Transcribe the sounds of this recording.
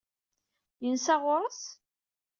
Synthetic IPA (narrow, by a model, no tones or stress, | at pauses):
jənsæʁʊɾˤəs